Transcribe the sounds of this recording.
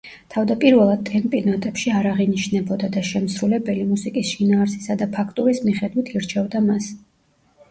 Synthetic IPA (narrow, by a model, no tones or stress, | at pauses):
t̪ʰavd̪apʼiɾvɛlˠad̪̚t̪ʼɛmpʼinat̪ʼɛpʃiaɾaʁiniʃnɛbɔd̪ad̪aʃɛmsɾulɛbɛlimusikʼisʃinaːɾsi̥sad̪apʰakʰt̪ʼuɾismiχɛd̪wit̪ʰiɾt͡ʃʰɛvd̪amas